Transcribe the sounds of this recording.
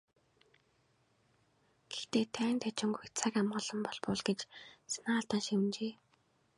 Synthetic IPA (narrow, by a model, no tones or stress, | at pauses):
ɡ̥ext̪eːt̪ʰæːnt̪ʰæt͡ɕɪ̆ŋɡujt͡sʰakamɢɞ̆ɮɞ̆mpɔɮpʊɮɡet͡ɕsḁnaːɮt̪aːnʃim̆nt͡ɕeː